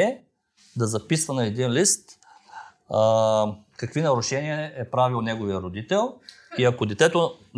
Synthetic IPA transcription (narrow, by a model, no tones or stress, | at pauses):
ɛ | d̪ɐzɐpisvɐnɐɛd̪inlist̪ | kɐkvinɐɾʊʃɛniɐɛpɾavilˠnɛɡovijəɾod̪it̪ɛlˠ | iɐkod̪ɛt̪ɛt̪o